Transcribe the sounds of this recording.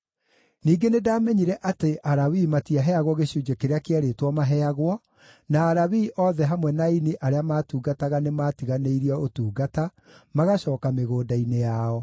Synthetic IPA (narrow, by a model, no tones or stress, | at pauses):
niːɡenedaːmɛɲiɾɛʔateʔaɾawimatiaɦɛaɣwɔɣeɕud͡ʒekeɾeakeaɾetwɔmaɦɛaɣwɔ | naːɾawiːʔɔðɛɦamwɛnainiʔaɾeamaːtuːɡataɣanemaːtiɣaneiɾiɔotuːɡata | maɣaɕɔːkameɣoːdainejaɔ